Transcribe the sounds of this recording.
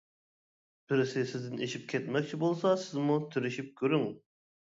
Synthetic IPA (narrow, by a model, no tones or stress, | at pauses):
b̥ɪɾsɪsɪzd̪ɪneʃip̚kʲʰɛt̪mɛk̚ʲt͡ʃʰibolˠsɑsɪzmut̪ʰyɾyʃip̚kʲʰøɾyŋ